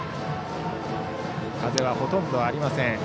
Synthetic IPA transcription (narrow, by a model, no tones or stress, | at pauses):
kaze̞β̞aho̞t̪õ̞nd̪o̞aɾʲimasẽɰ